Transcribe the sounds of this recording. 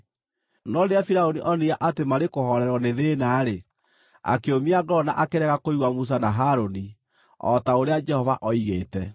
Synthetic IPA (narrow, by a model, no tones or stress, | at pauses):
nɔɾeafiɾaoniʔɔniaʔatemaɾekohɔɾɛɾɔneðeːnaːɾe | a̰keomiaɡɔna̰ʔakeɾɛɣakoiɣwamus̬anaɦaɾoni | ɔ̰taoɾead͡ʒɛhɔvaʔɔiɣeːtɛ